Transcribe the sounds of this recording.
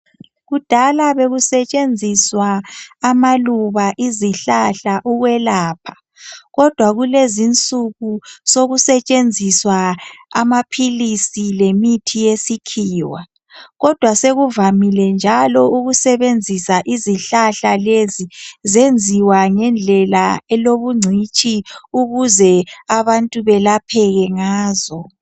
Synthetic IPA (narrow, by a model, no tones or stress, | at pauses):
ɣud̥ʱalaβeɣusɛt͡ʃʼend͡zʱiswaːmaluβaʔiziɬaɬaʔuɣwɛlaːpʰḁ | ɣɔd̥ʱwaɣulezint͡sʼuɣusoɣusɛt͡ʃʼend͡zʱiswaa̰mapʰilisilemitʰijesikʰiːwa̰ | ɣɔd̥ʱwaseɣuvamilɛnd͡ʒʱalɔuɣusɛβend͡zʱisaʔiziɬaɬalezizend͡zʱiwaŋɛnd͡ɮʱɛlaɛloβuŋ͡ǀʱit͡ʃʼiuɣuzɛaβantʼuβɛlapʰɛɣɛŋaːzɔ